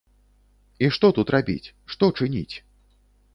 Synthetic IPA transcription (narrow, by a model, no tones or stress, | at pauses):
iʂt̪ɔt̪ut̪rabʲḭt͡sʲ | ʂt̪ɔt͡ʂɨnʲḭt͡sʲ